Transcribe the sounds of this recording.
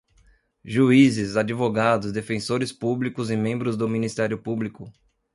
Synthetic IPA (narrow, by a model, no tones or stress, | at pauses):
ʒuizɪzad͡ʒivoɡad̪ʊzd̪efẽsoɾɪspublikʊzɪmẽmbɾʊzd̪ʊminist̪ɛɾjʊpublikʊ